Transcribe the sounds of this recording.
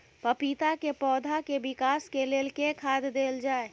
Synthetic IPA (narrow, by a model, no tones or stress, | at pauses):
pəpit̪akepɔːd̪ʱakebɪkaːskeleːlkekʰaːd̪d̪eːld͡ʒaːe